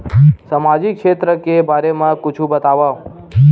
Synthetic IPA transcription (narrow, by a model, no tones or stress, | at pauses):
samad͡ʒikʃet̪ɾəkebʱaɾemãkʊt͡ʃʰũbət̪aʋa